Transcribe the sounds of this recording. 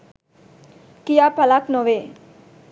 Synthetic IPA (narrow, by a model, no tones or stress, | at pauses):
kijaːpalaknoʋe